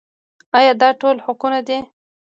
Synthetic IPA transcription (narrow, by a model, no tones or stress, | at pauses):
ɑjɑd̪ɑʈolhʊkunad̪e